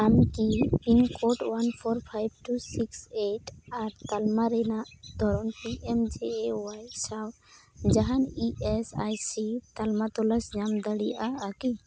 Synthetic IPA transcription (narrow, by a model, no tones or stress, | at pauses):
amkipinkʰɔʈwanpʰɔɾpʰajb̚ʱʈusikseʈaɾt̪almaɾɛnaʔd̪ʱɔɾɔnpiʔɛmd͡ʒeowajsaw | d͡ʒaɦaniɛsa̰jsit̪almat̪ɔlasɲamd̪aɽijʔaaki